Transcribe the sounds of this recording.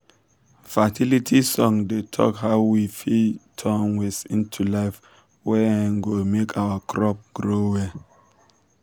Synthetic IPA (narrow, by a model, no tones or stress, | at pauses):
fatʰilitʰisɔ̃ŋdetʰɔ̰khaʊwifitʰɔ̃nwɛsĩntʰulaɪf | wɛãnɡomekʰawakʰɹɔp̚ɡ̥ɹowɛ